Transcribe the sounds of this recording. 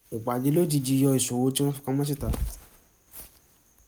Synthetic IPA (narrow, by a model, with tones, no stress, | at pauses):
o˨k͡pa˨d͡ʒe˨˧˦lo˦ti˧˨d͡ʒi˧jɔ˧i˨sũ˨wo˨˦ti˦w̃ɔ̃˦fu̥˧kã˧mã˦s̬i˦˨ta˨˧